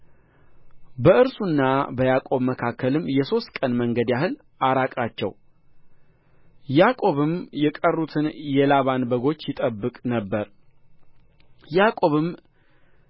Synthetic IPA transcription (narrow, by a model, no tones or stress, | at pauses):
bəɨɾsunːabəjakʼo̞βməkʰakʰːəlɨmjɛso̞st̪̚kʼənməŋɡəd̪jahɨl | ʔaɾakʼat͡ʃːɛ̰w | jakʼo̞βɨmjɛkʼərːut̪ʰɨnjɛlaβanbəɡo̞t͡ʃːjɪt̪ʼəbːɨkʼnəbːəɾ | jakʼo̞βɨm